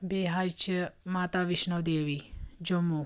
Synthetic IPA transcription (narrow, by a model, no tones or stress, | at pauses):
beːɦajt͡ʃʰəmaːt̪aʋiʃnəʋd̪eːʋid͡ʒomu